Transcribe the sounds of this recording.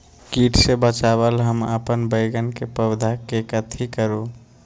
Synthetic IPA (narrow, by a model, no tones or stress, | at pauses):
kiʈʰsebət͡ʃabəlɦəmə̰pənbəɪɡənkepəbd̪ʱakekət̪ʰikəɾu